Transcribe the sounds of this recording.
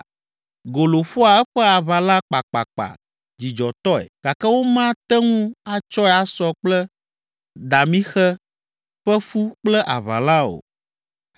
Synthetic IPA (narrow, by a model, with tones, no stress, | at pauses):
ɡo˨lo˨ɸu˦a˨ɛ˦ɸɛ˦a˨βa˨lã˦k͡pa˨k͡pa̰˨k͡pa̰˨ | d͡ʑi˨d͡ʒɔ˨t̪ɔ˦ɛ̰˨ɡ̥a˨kɛ˦wo˦mã˦t̪ɛ˦ŋũ˦a˦t͡ʃɔ˦ɛ˦a˦sɔ˦k͡plɛ˦ | d̪a˨mĩ˦xɛ˦ | ɸɛ˦fu˦k͡plɛ˦ʔa̰˨βa̰˨lã˦o̰˨